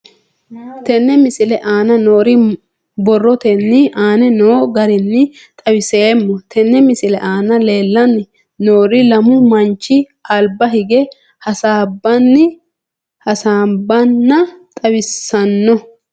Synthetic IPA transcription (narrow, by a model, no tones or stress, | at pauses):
t̪ɛnːɛmɪsɪlɛʔaːnɐnoːɾɪ | bɔrːɔt̪ɛnːɪʔaːnɛnoːɡɐɾɪnːɪ | t̪ʼɐwɪseːmːɔt̪ʰɛnːɛmɪsɪlɛʔaːnɐle̞ːlːɐnːɪ | noːɾɪlɐmʊmɐnt͡ʃːɪ | ɐlbɐhɪɡɛ | hɐsaːbːɐnːɪ | hɐsaːbːɐnːɐt̪ʼɐwɪsːɐnːɔ